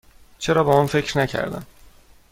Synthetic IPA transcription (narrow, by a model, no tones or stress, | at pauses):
t͡ʃʰe̞ɾɒːbɒmunfe̞cʰɾnæcʰæ̰ɾd̪æ̰n